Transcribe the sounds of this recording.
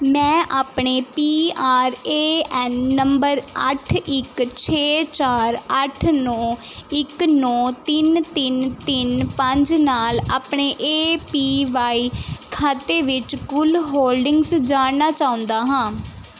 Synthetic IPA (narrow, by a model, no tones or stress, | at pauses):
mɛ̃ːʔaːpɳeːpiːaːɾeːɛːnːəmbəɾəʈʰɪkt͡ʃʰeːt͡ʃaːɾəʈʰnɔ̃ː | ɪknɔ̃ːt̪ɪnt̪ɪnt̪ɪnpəɲd͡ʒnaːlaːpɳeːʔeːpiːʋaːiːkʰaːt̪eːʋɪt͡ʃkʊlɦoːlɖɪŋɡsd͡ʒaːnnaːt͡ʃaːʊ̃nd̪aːɦãː